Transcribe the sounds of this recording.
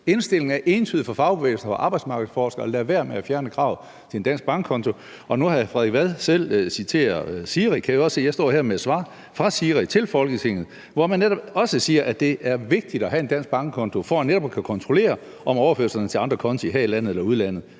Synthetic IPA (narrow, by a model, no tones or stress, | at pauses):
e̝nsd̥e̝l̰e̝ŋ̩æɐʔe̝ːnt͡sʰyð̩ˠfɒ̽fɑ̈ʊb̥eʋḛːlsn̩ɐfɒʔɑ̈ːb̥ɑ̈ɪd̥smɑ̈ːɡ̥ð̩ˠsfɒːsɡ̥ɐɒlæɐʋæɐ̰meæfjæɐnəkʰʁɑ̈ʊ | t͡sʰe̝end̥æn̰sɡ̥̚b̥ɑ̈ŋɡ̥ʰɒ̽nt͡sʰo̝ | ʔɒ̽nuhɑfʁɛðˠeɡ̥ʋæðˠsel̰sit͡sʰe̝̰ːɐðˠsiːʁikʰæjiɒ̽se̝̰jɑ̈ɪsɒ̰ːheɐ̰med̥sʋɑ̰̈ | fʁɑ̈siːʁit͡sʰe̝lfɒ̽lɡ̥ət͡sʰe̝ŋ̰ð̞̩ˠ | ʋɒmænːeɾɒ̽b̥ɒ̽səsiːɐʔæd̥e̝ʔæɐʋe̝ɡ̥̚d̥id̥ɒ̽ɦæe̝nd̥æn̰s̚b̥ɑ̈ŋɡ̥əkʰɒ̽nt͡sʰo̝fɒneɾ̥ɒ̽b̥kʰækʰɒ̽nt͡sʰʁo̝le̝̰ːɐ | ʔɒ̽mɒʊɐføɐsɐnət͡sʰe̝ɑ̈nd̥ʁɐkʰɒ̽nt͡sʰiɦæɐilæn̰ð̩ˠelɐuð̩ˠlæn̰ð̞̩ˠ